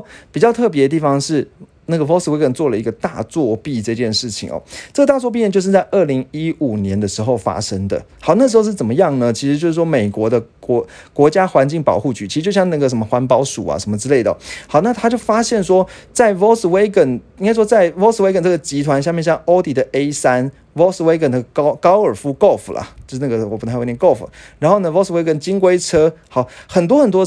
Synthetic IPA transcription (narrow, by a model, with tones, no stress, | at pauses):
pi˨˩t͡ɕjɑ˥˧ʊt̪ʰɤ˥˩p̬jɛ˧d̪ə˧t̪̬i˥˩fɑ˧˦ŋʂɻ̩˥˧ | na˥˩ɡə˩wo˥ʊswe˧˥ɪkə˥˩nt͡swɔ˥˩lə˩i˧˥ɡə˧t̪a̰˥˧t͡swɔ˥˧pi˥˧ʈ͡ʂɤ˥˧t͡ɕjɛ˥˧nʂɻ̩˥˩t͡ɕʰḭ˨˩ŋɐ̰˨˩ʈ͡ʂɤ˥˩ɡə˩t̪a˥˩t͡swɔ˥˧p̬i˥˩nə˨t͡ɕjo˥˧ʂɻ̩˥˧t͡sa˥˧ɪʔə˥˩li˧˥ŋi˦˥u˨˩njɛ˧˥nd̪ə˧ʂɻ̩˧˥xo˥˩ʊfa̰˥ʂə˥ŋd̪ə̰˨xɑ˨˩ʊna˥˩ʂɻ̩˧xo˥˧ʊʂɻ̩˥˩t͡sə˨˩mə˦jɑ˥˩ŋnə˨t͡ɕʰi˧˥ʂɻ̩˧t͡ɕjo˥˧ʊʂɻ̩˥˩wɔ˥me˨˩ɪkwɔ˧˥d̪ə˧kɔ˧˥ | kwɔ˧˥t͡ɕja˥xwa˧˥nt͡ɕi˥˩ŋpɑ˨˩ʊxu˥˩t͡ɕy˧˥t͡ɕʰi˧˥ʂ̩˧t͡ɕo˥˧ɕjɑ˥˧ŋna˥˩ɡə˨ʂ̬ə˧˥nmə˧xwa˧˥npɑ˥ʊʂu˨˩a̰˨ʂə˧nmə˧ʈ͡ʂɻ̩˥le˥˩ɪd̪ə̰˩hɑ˨˩˦ʊna˥˩t̪ʰa˥t͡ɕjo˥˩ʊfa˥ɕjɛ˥˩nʂwɔ˥t͡sa˥˩ɪwɔ˥ʊs̩˨˩we˥ɪkə˥˩ni˥ŋka˥ɪʂwɔ˥t͡sa˥˩ɪwo˥ʊs̩˨we˥ɪkə˧˩nʈ͡ʂə˥˩ɡə˩t͡ɕi˧˥t̪ʰwa˧˥nɕja˥˧mjɛ˥˧nɕjɑ˥˧ŋo˥ʊt̪i˨˥d̪ə˨ʔe˥ɪsa˥n | wɔ˥ʊswe˧˥ɪkə˥˩nd̪ə˧˩kɑ˥ʊkɑ˥ʊə˞˨˩fu˧˥ko˥˩ʊfu˨lɐ̰˩o˥˧ʂ̩˧na˥˩ɡə˩wɔ˨˩pũ˧˩˧ko˥˩ʊfu˨˩ɻa˧˥nxo˥˩ʊnə˩wo˥ʊswe˥ɪkə˥˩nt͡ɕi˥ŋk̬we˥ɪʈ͡ʂʰɤ˥xɑ˨˧˦ʊxə˨˩nt̪wɔ˥xə˨˩nt̪wɔ˥